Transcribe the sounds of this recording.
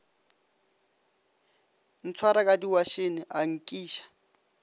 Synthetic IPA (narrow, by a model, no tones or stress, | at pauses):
n̩t͡sʰwaɾakʼadiwaʃenɪʔaŋ̩kʼiːʃḁ